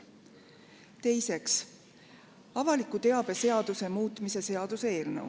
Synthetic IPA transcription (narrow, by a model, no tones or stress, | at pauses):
t̪e̞jse̞ks | ɑvɑlikːut̪e̞ɑb̥e̞se̞ɑd̪use̞muːt̪ːˑmise̞se̞ɑd̪̥usee̞ːlnəw